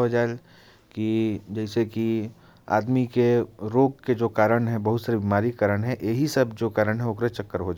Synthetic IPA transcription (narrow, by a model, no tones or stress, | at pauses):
ɦod͡ʒaːel | kid͡ʒɛɪseki | a̰ːd̪mikeɾoːɡ̚ked͡ʒoːkaːɾəɽ̃ɦɛ̃bɐɦʊt̪səɾebiːmaːɾikəɾəɽ̃ɦɛ̃ʔeɦisɐbd͡ʒoːkaːɾəɽ̃ɦɛokɾet͡ʃɐkːəɾɦod͡ʒa